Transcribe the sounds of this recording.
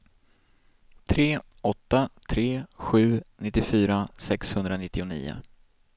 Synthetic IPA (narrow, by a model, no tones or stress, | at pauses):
t̪ʰɾeː | ɔt̪ːat̪ʰɾeːɧʉ̟ːnɪt̪ːɪfyːɾasɛkshɵnd̪ɾanɪt̪ːɪʊnḭːʊ̰